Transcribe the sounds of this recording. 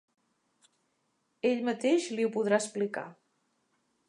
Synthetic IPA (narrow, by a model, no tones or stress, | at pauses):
eʎmət̪eʃliupuðɾaəsplika̰